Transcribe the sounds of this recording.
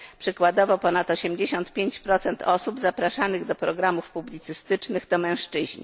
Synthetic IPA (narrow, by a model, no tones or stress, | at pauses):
pʂɘkwad̪ɔvɔpɔnat̪ɔɕɛmd͡ʑeɕɔnt̪pʲjeɲt͡ɕpɾɔt̪sɛnt̪ʰɔsubzapɾaʂanɘɣd̪ɔpɾɔɡɾamufpublʲit̪sɘst̪ɘt͡ʂnɘɣd̪ɔmɛ̃w̃ʂt͡ʂɘʑɲḭ